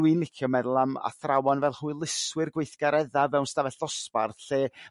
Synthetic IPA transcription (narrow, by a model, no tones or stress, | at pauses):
winlɪkʰjɔmɛðlˠama̰θrawɔnvɛlˠhuːɨlˠɪswɪrɡwejθɡ̥aɾɛðavɛwnstavɛɬɔsparɬeː